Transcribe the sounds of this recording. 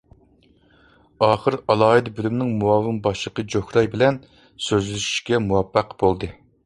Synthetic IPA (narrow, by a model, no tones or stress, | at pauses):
ɑːχəɾɑlˠɑːɦɨd̪ɨbylymnɪŋmuɑːvɨmbɑʃlˠəqəd͡ʒohɾɑjbɪlɛn | søzlɪʃi̥ʃkʲɛmuwɑpːæqbolˠd̪ɨ